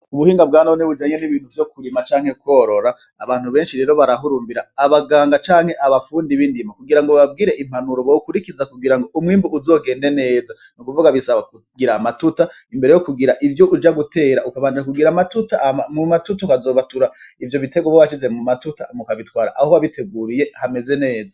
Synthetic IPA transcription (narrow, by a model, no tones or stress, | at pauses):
uβuhiːŋɡabɡaːnaβneβud͡ʒaːɲe̞niβiːn̥huvjo̞kuɾimat͡ʃaːŋhe̞kwo̞ːɾo̞ɾa̰ː | βaːn̥huβe̞ːnʃiɾe̞ɾo̞βaɾaɦuɾuːmbiɾaːβaɡaːŋɡat͡ʃaːŋhe̞ʔaβafuːndiβindimakuɡiɾaŋɡoβab̚ɡiːɾe̞ʔim̥anuɾoβokuɾikizakuɡiɾaŋɡo̞umŋiːmbuʔuzo̞ːɡe̞ːnde̞ne̞ːza | nukuvuɡaβisaβaku | ɡiɾamatuta | imbeɾejokuɡiɾaʔivjo̞ʔud͡ʒaɡute̞ːɾaʔukaβaːndaɲakuɡiɾaːmatutamumatutakazo̞ːβatuɾaivjo̞βite̞ɡoβoaʃize̞mumatuta̰mukaβitwaːɾa̰ʔahoβaβitʰe̞ɡuɾije̞hame̞ze̞ne̞ːza